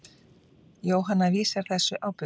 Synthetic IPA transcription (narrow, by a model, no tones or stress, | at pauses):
joːwɦanːaviːsaɾ̥θɛsːʏʔaːwpʏ